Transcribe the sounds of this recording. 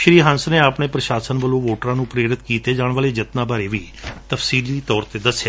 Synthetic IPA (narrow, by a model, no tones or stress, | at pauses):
ʃɾiːɦə̃nsneːaːpɳeːpɾəʃaːsənʋəlõːʋoːʈɾãːnũːpɾeːɾɪt̪kiːt̪eːd͡ʒaːɽ̃ʋaːleːd͡ʒɪt̪nãːbaːɾeːʋiː | t̪əfʰsiːliːt̪ɔːɾt̪eːd̪əsːjaː